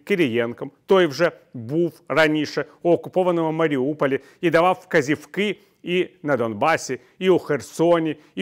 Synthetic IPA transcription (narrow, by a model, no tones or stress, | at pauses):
kʲɪɾʲɪjenkəmt̪ojvʐɛbufrɐnʲiʂəʊɐkʊpovənːəməməɾʲɪupəlʲɪ | id̪ɐvafkɐzʲɪfkɨ | inəd̪onbasʲɪ | iʊxʲɪrsonʲɪ